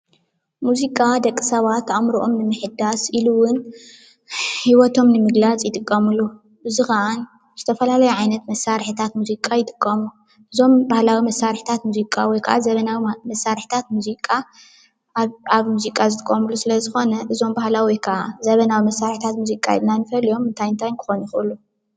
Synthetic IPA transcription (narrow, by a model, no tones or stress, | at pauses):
muzikʼad̪ɐkʼːɨ̥sɐβat̪ːʔamɾuʔo̞mnɨmɨħɨd̪asʔiluwʊn | hiwɔt̪ʰo̞mnɨmɨɡlat͡sʼjɪt̪ʼɨkʼːɐmulːu | ʔɨzɨxan | z̥ɨt̪ʰɐfɐlalɐjuʕajnɐt̪mɐsːaɾħit̪ʰat̪muzikʼːajɪt̪ʼɨ̥kʼːɐmu | ʔɨzo̞mbahlawimɐsaɾħi̥t̪ʰat̪muzikʼawɔjkʰaʔazɐβɐnawimɐsːaɾħit̪ʰat̪muzikʼːa | aβmuzikʼazɨt̪ʼɨ̥kʼːɐmulːusɨlɐzɨxo̞nɐʔɨzo̞mbahlawijkʰɐazɐβɐnawimɐsːaɾħit̪ʰat̪muzikʼa̰nanɨfɐljo̞mːɨnt̪ʰajɨnt̪ʰajnkʰɨ̥xo̞njixʔɨlːu